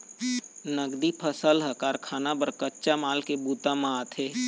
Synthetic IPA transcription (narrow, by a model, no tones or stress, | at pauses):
nəɡd̪ipʰəsəlɦəkaːɾkʰaːnabəɾkətːʃamaːlkebuːt̪amãat̪ʰeː